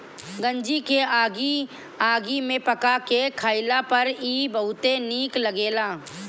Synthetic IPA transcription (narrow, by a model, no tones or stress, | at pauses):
ɡə̃ɲd͡ʒikeaːɡi | aːɡimẽpɐkakekʰaːɪlapɐɾiːbɐɦʊt̪eniːkləɡeːlaː